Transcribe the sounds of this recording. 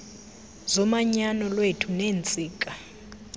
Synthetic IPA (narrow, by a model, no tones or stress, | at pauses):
zɔmaɲanɔlwetʰuneːnt͡sʼiːkʼa